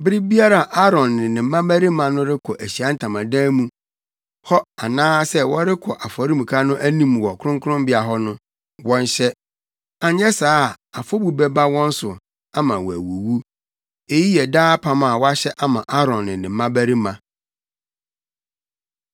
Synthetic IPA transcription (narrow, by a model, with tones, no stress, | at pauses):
bɪ˦ɾi˦bi˦a˦ɾa˨ʔa˦ɾɔ̃˨nːɪ̃˨nɪ̃˨m˦mːã˦bæ˦ɾi˦mã˨nʊ̃˦ɾɪ˦kʰɔ˨ʔæ˨ɕi˨a˦n̩˦˨tʰã˨mã˨dãː˦mũ˦ | hɔ˦a˨nãː˦sɛ˦wɔ˦ɾɪ˦kʰɔ˨ʔa˨fɔ˨ɾi˦mũ˨kʰa˦nʊ̃˦ʔæ˦nĩ˦mwɔ˨kʰʊ˦ɾʊ̃˦ŋkʰʊ˦ɾʊ̃˦mbɪ˦a˨ɦɔ˦nʊ̃˦ | wɔ̃˦n˦ɕɛ˦ | a˨ɲ˦ɛ˦saː˦˨a˨fɔ˦bu˨bɛ˦ba˦wɔ̃˦n̩˦sʊ˨ | a˦mã˨wɔ˨æ̰˨wu˨wu˦ | e˦ji˦jɛ˨daː˦pʰa˦mã˨wɔ˦a˦ɕɛ˦ʔa˦mã˨ʔa˦ɾɔ̃˨nːɪ̃˨nɪ̃ː˨˦ã˦bæ˦ɾi˦mã˨